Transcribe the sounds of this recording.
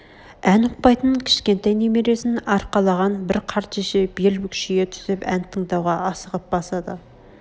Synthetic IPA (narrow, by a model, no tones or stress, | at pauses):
ænʊq̚pɑjt̪ənəŋkʲʰɪ̥ʃkʲe̞nt̪ɑjnemeɾe̞sɪnɑɾqɑlˠɑʁɑnbɪɾqʰɑɾt̪ʃeʃebelbʏkʲʰʃeɡʲet̪ʰʏ̥zɪpænt̪ʰəɴd̪ɑwʁɑːsəʁəp̚b̥ɑsɑd̪ə